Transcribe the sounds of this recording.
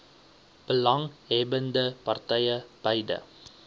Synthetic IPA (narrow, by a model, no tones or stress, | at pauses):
b̥əlɐŋɦɛbəndəpɐrtɛjəb̥əjdə̰